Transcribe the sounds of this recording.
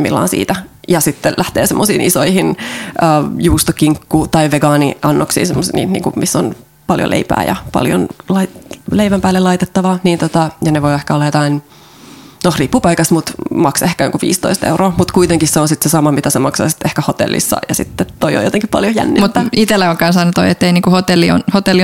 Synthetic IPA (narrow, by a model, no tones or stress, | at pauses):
mḭlːɑ̰ːnsḭːt̪æjɑsit̪ːelʔæht̪ḛːsemːosḭːnʔisoihinʔəːjuːst̪okiŋkːuːt̪ɑiʋeɡɑːniɑnːoksḭːnsemːosnḭːnnḭːkumʔisːon | pɑljo̰lʔḛipæ̰ːjɑ̰pɑ̰ljo̰nlɑileiʋæmpæːlːelɑit̪et̪ːɑʋɑniːnt̪ot̪ɑjɑneʋoiehkæolːɑjot̪ɑin | nohripːupɑikɑsmut̪mɑksehkæjo̰ŋkuʋḭːst̪o̰ist̪ḛuroːmut̪kuit̪eŋkisseonsit̪sesɑmɑmit̪æsemɑksɑ̰ːsi̥t̪ehkæhot̪ḛlːʔḭsːɑ̰jɑsḭt̪ːet̪oio̰jot̪eŋkippɑ̰ljojæ̰nːimut̪ːæit̪elːæoŋkɑnsɑnːut̪o̰iet̪ːeiniːŋkuhot̪elːio̰nhot̪elːi